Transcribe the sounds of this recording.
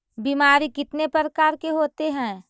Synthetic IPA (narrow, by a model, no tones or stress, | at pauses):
biːmaːɾikɪt̪nepəɾəkaːɾkeɦoːt̪eɦɛ̃ː